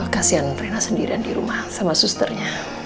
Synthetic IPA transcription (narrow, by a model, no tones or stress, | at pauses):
kasianpɾenasəndiɾiandiɾumahsamasust̪ərɲa